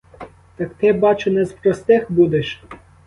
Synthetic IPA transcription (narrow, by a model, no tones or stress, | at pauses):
t̪ɐkt̪ɪbɑt͡ʃʊnɛspɾɔst̪ɪxbud̪eʃ